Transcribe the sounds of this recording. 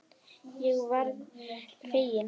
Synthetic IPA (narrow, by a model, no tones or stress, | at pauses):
jɛɣvaɾðfeːjɪn